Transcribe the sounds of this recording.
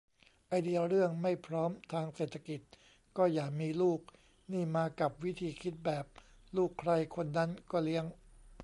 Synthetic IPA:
ʔa˧jdi˧əɾɯ˥˩əŋma˥˩jpʰɾɔː˦˥mt̪ʰaː˧ŋseː˨˩t̪ʰːa˧ki˨˩t̪̚ | kɔː˥˩jaː˨˩k̚miː˧luː˥˩k̚ | niː˥˩maː˧ka˨˩p̚wi˦˥t̪ʰiː˧kʰi˦˥t̪̚bɛː˨˩p̚ | luː˥˩kʰɾa˧jkʰo˧nːa˦˥nkɔː˥˩li˦˥əŋ

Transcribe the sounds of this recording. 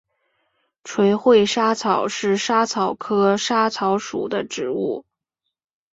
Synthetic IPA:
ʈ͡ʂʰwe˧˥ɪxwe˥˩ɪʂa˥t͡sʰɑ˨˩ʊʂɻ̩˥˩ʂa˥t͡sʰɑ˨˩ʊkʰɤ˥ʂa˥t͡sʰɑ˧˥ʊʂṵ˨˩d̪ə˦ʈ͡ʂɻ̩˨˩˦u˥˩

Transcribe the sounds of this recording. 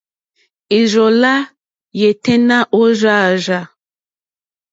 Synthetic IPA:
i˨zɔ˨la˦ | je˨tɛ˦na˦ʔo˦ʒa˦˨ʒa˨

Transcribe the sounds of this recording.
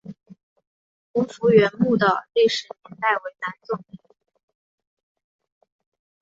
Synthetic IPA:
kʊ˧˥ŋfu˧˥ɥɛ˧˥nmu˥˩d̪ə˨˩li˥˩ʂɻ̩˨˩njɛ˧˥nt̪a˥˩ɪwe˧˥ɪna˧˥nt͡sʊ˥˩ŋi˧˩˥

